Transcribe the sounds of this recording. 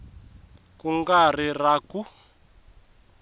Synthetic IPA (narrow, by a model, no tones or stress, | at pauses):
kuŋɡariraku